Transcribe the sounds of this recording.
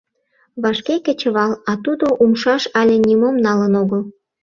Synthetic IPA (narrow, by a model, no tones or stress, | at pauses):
βɑʃkekə̆t͡ɕəβɑlɑt̪ud̪oʔumʃɑʃɑlʲĕnʲimomnɑlənoɣəl